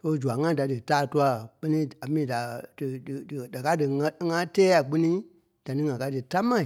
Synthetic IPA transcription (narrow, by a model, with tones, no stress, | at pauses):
soː˦d͡ʒu˨a˨ŋã˦da˨dɨ˨taː˦˨tu˦a˨k͡pɜ˧nĩ˦a˨mĩː˦da˨dɨ˨dɨ˨ɨ˨da˨ka˦dɨ˨ŋã˧˦ŋã˦tɛː˦a˨k͡pi˧nĩ˦ | d̥a˨nĩ˦ŋã˨ka˧˦dɨ˨ta˦mã˨